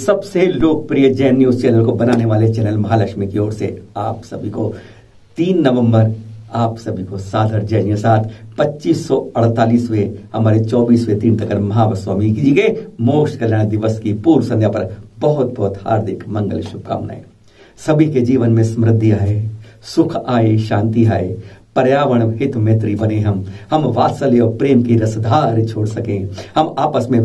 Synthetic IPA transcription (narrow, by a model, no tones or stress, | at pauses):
sɐbseloːk̚pɾijəd͡ʒɛːnjuːst͡ʃɛːnəlkobɐnaːneʋaːlet͡ʃɛːnəlmɐɦalɐkʃmikiɔːɾsḛaːpsɐbʱiko | t̪iːnːɐʋə̃mbəɾaːpsɐbʱikosaːd̪ʱəɾd͡ʒɛːnjəsaːt̪ʰpɐtːt͡ʃiːsːɔɐɽ̤t̪aːliːswehɐmaːɾet͡ʃɔːbiːswet̪iːnt̪ɐkəɾmɐɦaʋəswaːmikid͡ʒieɡemoːkʃkɐljaːɽ̃d̪ɪʋəskipuːɾsɐ̃njapɐɾbɐɦʊt̪̚bɔɦʊt̪ha̰ːɾd̪ʱɪkmɐ̃ŋɡə̰lʃʊpka̰ːmna̰ːɦɛ̰ː | sɐbʱiked͡ʒiːʋənmẽsɐmɾɪd̪ʱːiaːesʊkʰaːeʃãːnt̪iɦaːepəɾjaːʋəɽ̃kɪt̪ʰmet̪ɾibɐneɦɐmhɐmʋaːt̪saleɔːɾpɾeːmkiɾɐsd̪ʱaːɾt͡ʃʰoːɽsɐkẽːhɐmaːpəsmẽ